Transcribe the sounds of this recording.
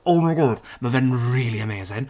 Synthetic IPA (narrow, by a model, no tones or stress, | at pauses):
oʊmaɪɡɑd̥məvɛ̃nɹiːlˠiəmeɪzɪ̃ŋ